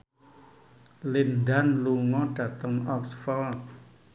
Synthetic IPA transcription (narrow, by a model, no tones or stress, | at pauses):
lindanluŋɔɖ̥ä̤t̪əŋɔksfɔl̚